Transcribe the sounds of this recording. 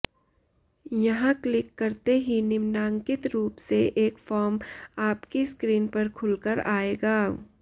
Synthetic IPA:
jɐɦãklɪkːɐɾt̪eɦinɪmnaːŋkɪt̪ɾuːpseʔeːkfɔːɾmaːpkiskɾiːnpɐɾkʰʊlkəɾaːeːɡaː

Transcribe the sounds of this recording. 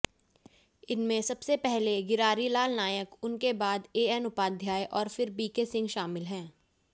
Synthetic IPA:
ɪnmẽsɐbsepɛɦleɡɪɾaːɾilaːlnaːjəkʊnkebaːd̪eːɛnʊpaːd̪ʱjaːjʔɔːɾfɪɾbiːkesɪ̃ŋɡʃaːmɪlɦɛ̃ː

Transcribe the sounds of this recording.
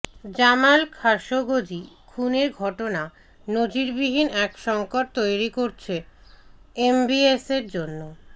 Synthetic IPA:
d͡ʑamalkʰaʃoɡod͡ʑikʰuneɾɡʱɔʈona | nod͡ʑiɾbiɦinɛkʃɔŋkoʈ̚t̪ojɾikoɾt͡ɕʰe | embieseɾd͡ʑonːo

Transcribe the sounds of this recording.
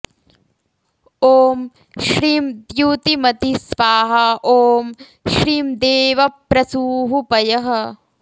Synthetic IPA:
oːm | ʃɾiːmd̪juːt̪imɐt̪isʋaːɦɐʔoːm | ʃɾiːmd̪eːʋɐpɾɐsuːɦupɐjɐɦɐ̆

